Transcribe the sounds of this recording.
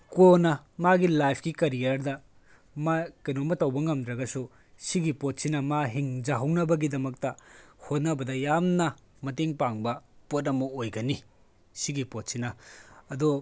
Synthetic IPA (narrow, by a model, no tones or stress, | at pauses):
konɐmaɡilajpʰkikɐɾijɐɾdɐ | makɐnomɐtɐwbɐŋɐmd̪ɾɐɡɐsu | siɡipot̚sinɐmaɦiŋd͡ʒɐɦɐwnɐbɐɡidɐmɐk̚tɐhot̚nɐbɐdɐjamnɐ | mɐteŋpaŋbɐpot̬̚ɐmɐojɡɐni | siɡipot̚sinɐɐdu